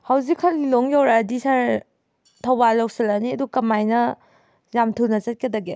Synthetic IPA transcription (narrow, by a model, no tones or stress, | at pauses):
hawzikʰːɐlːilɔŋjawɾadisaɾ | tʰawbalːawsilaniɐdukɐmajnɐ | jamtʰunɐzɐt̚kedaɡe